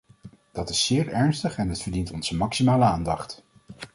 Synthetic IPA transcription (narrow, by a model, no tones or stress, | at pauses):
d̥ɑtɪsːɪːɹɛɹnstəχɛnɦətfəɹdintɔnz̥əmɑksimaːləaːndɑχt